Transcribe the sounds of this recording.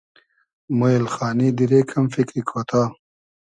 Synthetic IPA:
moelxaːnid̪iɾekʰɐmfikɾikʰot̪ʰaː

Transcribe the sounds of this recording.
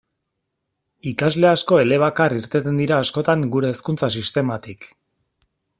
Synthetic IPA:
ikazle̞asko̞e̞le̞β̞akariɾt̪e̞t̪e̞nd̪iɾaːsko̞t̪aŋɡuɾe̞ːskunt͡sasist̪e̞mat̪ik

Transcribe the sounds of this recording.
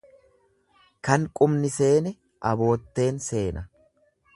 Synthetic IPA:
kɐŋkʼʊmnɪse̞ːnɛ | ʔɐbo̞ːt̪ːe̞ːnse̞ːnɐ

